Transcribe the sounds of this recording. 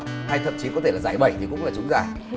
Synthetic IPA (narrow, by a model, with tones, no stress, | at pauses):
haː˧jt̪ʰə˧˨mt͡ɕi˨˦kɔ˨˦t̪ʰe˧˩laː˨˩zaː˧˩jɓə̰˧˩jt̪ʰi˨˩kʊ̰˧˥ŋ͡mlaː˨˩t͡ɕʊ˨˦ŋ͡mzaː˧˩j